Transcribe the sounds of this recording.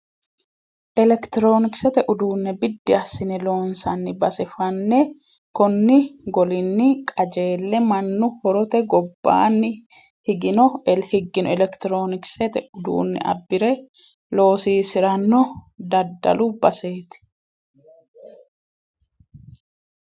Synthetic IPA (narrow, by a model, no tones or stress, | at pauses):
ʔɛlɛkt̪ɪɾo̞ːnɪksɛt̪ɛʔʊd̪uːnːɛbɪd̪ːɪɐsːɪnɛlo̞ːnsɐnːɪbɐsɛfɐnːɛ | kɔnːɪɡɔlɪnːɪkʼɐd͡ʒe̞ːlːɛmɐnːʊhɔɾɔt̪ɛɡɔbːa̰ːnːɪ | hɪɡɪnɔɛlhɪɡːɪnɔɛlɛkt̪ɪɾo̞ːnɪksɛt̪ɛʊd̪ṵːnːɛ̰ʔɐ̰bːɪɾɛ | lo̞ːsiːsɪɾɐnːɔd̪ɐd̪ːɐ̰lʊbɐse̞ːt̪ɪ̥